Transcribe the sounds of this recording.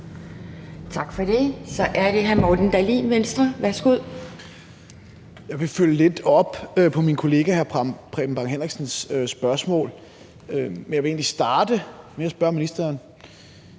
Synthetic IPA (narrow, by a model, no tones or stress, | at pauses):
t͡sʰɑ̈ɡ̥fɒɾ̥e̝sɒ̽ʔæɐd̥e̝ɦæɐmɒːd̥n̩d̥ælḭnʋensd̥ʁɐʋæɐsɡ̥uð̰ˠ | jɑ̈ɪʋe̝føljəle̝d̥ɒ̽b̥øpʰɒ̽minkʰo̝le̝ːɡ̥æhæɐpʰʁɛ̰b̥m̩b̥ɑ̈ŋɦenʁiɡ̥sən̩søsb̥ɶɐsmɔ̰̽ːl | ømenjɑ̈ʋe̝e̝ːnlisd̥ɑ̈ːd̥əmeɐsb̥ɶɐ̰minisd̥ɐːn